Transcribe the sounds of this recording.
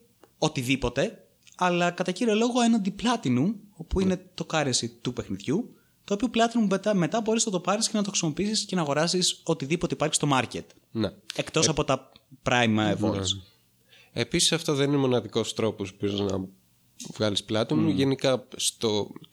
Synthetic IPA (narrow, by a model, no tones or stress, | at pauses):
o̞t̪iðipo̞t̪e̞ | ɐlɐkɐt̪ɐciɾiolo̞ɣoe̞nɐnd̪iplɐt̪inumo̞puine̞t̪o̞kɐɾesit̪upe̞xniðʝu | t̪oːpio̞plɐt̪inumbet̪ɐme̞t̪ɐbo̞ɾisnɐt̪opɐɾiscenɐt̪oxɾisimopiisisce̞nɐːɣo̞ɾɐsiso̞t̪iðipo̞t̪eipɐɾçi̥st̪o̞mɐɾcet̪ | neekt̪o̞ssɐpo̞t̪ɐpɾɐjmɐevo̞̰l̰s | episi̥sɐft̪oðeninemo̞nɐðiko̞st̪ɾo̞pospioznɐ̰ | vɣɐlisplɐt̪inuʝe̞nikɐst̪o